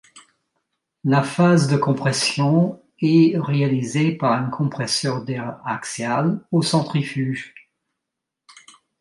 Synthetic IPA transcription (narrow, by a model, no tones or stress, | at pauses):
lafazd̪əkɔ̃pχɛsjɔ̃ | ɛʁealizepaʁynkʰɔ̃pχɛsœʁd̪ɛʁa̰ksjalosɑ̃t̪χifyʒ